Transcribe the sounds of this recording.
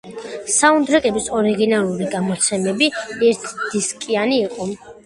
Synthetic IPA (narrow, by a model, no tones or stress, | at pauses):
saund̪ɾakʼɛbisɔɾiɡinalˠuɾiɡamɔt̪sʰɛmɛbiɛɾt̪ʰd̪̥iskʼianiːqʼɔ